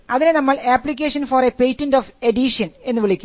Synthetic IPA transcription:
ɐðinenɐmːɐɭaːpɭikʲːeːʂɐnfoːrepejtːɐndoːfeɖiʂɐne̞nːɨʋiɭikʲːu

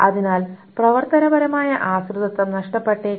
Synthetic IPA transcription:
ɐðinaːlprɐʋɐrt̪ɐnɐbɐɾɐmaːjɐʔaːsrɨðɐt̪ːɐmnɐʂʈɐpːe̞ʈːe

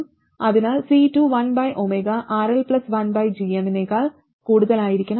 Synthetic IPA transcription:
ɐðinaːlsiːʈuʋɐnbɐjʔomeɡaʔaːɾelplɐsʋɐnbɐjd͡ʒiɐnneɡaːl | kuːɽuðɐlaːjɪɾikʲːɐɳɐ

